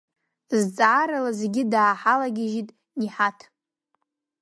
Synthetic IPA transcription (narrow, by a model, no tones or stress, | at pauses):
zt͡sʼaːɾalazeɡʲɪdaːħalaɡʲɪʒitʼ | niħatʰ